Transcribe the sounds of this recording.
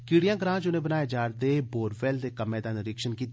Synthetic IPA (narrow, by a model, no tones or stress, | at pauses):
kiːɽijãːɡɾãːt͡ʃʊnẽːbənaːjed͡ʒaːɾd̪eːboːɾʋɛːld̪eːkəmẽːd̪anɪɾɪkʃənkiːt̪